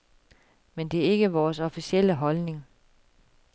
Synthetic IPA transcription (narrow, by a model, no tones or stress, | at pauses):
mend̥e̝æɐe̝ɡ̥əʋɒːsɒ̽fisiel̰əɦɒ̽lne̝ŋ